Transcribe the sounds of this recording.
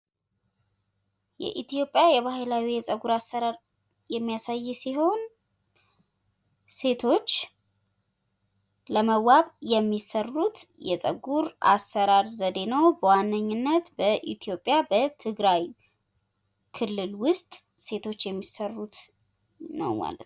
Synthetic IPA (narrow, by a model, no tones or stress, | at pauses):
jɛ̰ʔit̪ijo̞pʼːjajɛβahlawijɛsʼəɡuɾasːəɾaɾ | jɛmːijasajːsiɦo̞n | se̞t̪ʰo̞t͡ʃː | ləməwaβjɛmːisərːut̪jɛt͡sʼə̰ɡuɾa̰sːəɾaɾzəd̪e̞nəwbəwanːəɲːɨnːət̪bəʔḭt̪ʰijo̞pʼːjabət̪ʰɨɡɾaj | kʰɨlːɨlwʊst̪ʼse̞t̪ʰo̞t͡ʃːjɛmːisərːut̪ | nə̰wma̰lə̰t̪